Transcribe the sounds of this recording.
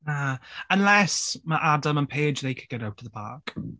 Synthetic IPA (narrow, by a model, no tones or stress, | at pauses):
aə̃nlɛsməʔadəmə̃npʰeɪd͡ʒðeɪkʰəd̚ɡ̥ɛɾawtəvðəpʰa̰ːˑk